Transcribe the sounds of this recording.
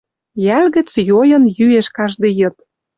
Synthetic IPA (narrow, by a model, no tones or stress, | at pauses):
jælɣɘ̆t͡sjojɤ̆njyeʃkɑʒd̪ĕjɤ̆t̪̚